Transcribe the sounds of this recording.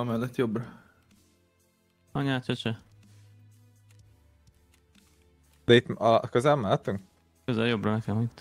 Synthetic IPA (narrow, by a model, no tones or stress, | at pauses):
mɛlːɛt̪jobrɒ | ɒɲaːt͡ʃɒt͡ʃɛ | d̪̥ɛit̪mɒkøzɛlmaːt̪uŋk | øzɛljobɾɒnɛkɛmo